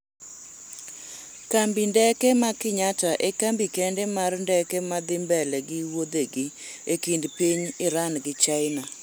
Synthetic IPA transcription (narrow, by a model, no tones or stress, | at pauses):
kambindɛkɛmakɪɲataʔekambikɛndɛmarndɛkɛmad̪ɪmbɛlɛɡɪwod̪eɡɪ | ekindpiɲɪɾanɡɪt͡ʃaɪna